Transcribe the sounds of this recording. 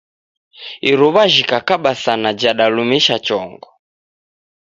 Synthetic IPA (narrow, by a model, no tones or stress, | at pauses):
iɾɔβaʒikakaɓasanad͡ʒaɗalumɛʃat͡ʃɔŋɡɔ